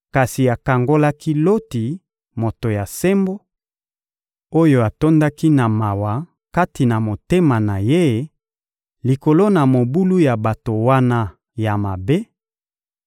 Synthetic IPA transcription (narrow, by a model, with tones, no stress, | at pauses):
ka˨si˨a˨ka˨ŋɡo˦la˦ki˦lo˦ti˨ | mo˨to˨ja˨se˦mbo˦ | o˦jo˦a˨to˦nda˦ki˦na˨ma˨wa˨ | ka˦ti˨na˨mo˨te˦ma˨na˨je˦ | li˨ko˨lo˦na˨mo˨bu˦lu˦ja˨ba˨to˨wa˦na˦ | ja˨ma˨be˦